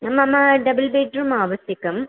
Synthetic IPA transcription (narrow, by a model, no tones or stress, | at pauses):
ɐmːɐmːɐɖɐbɐlbeːʈɾumaːʋɐɕjɐkʲːum